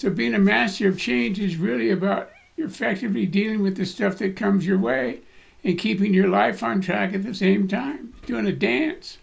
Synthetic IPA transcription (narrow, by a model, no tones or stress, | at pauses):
soʊbiɪ̃ŋɨmæstə˞ʌv̥t͡ʃʰẽɪ̃nd͡ʒɨzɹɪlˠiɨbaʊt̚ | ɨfɛk̚tɨvlidilˠɪ̃ŋwɨðɨstʌfðɨt̚kʰʌ̃mzjə˞weɪ | ɨ̃nkʰipɪ̃ŋjə˞laɪfn̩tʰɹ̥ækɨt̪̚ðɨsẽɪ̃mtʰãɪ̃md̥ʉɪ̃ŋɨdæ̃ns